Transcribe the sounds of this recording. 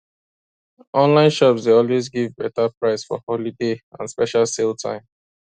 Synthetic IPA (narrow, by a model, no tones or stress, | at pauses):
ʔɔ̃nlãɪ̃nʃɔpsdeɔlwezɡivbɛtapɹaɪsfɔ̰hɔlideã̰nspɛʃalseltʰã̰ɪ̃m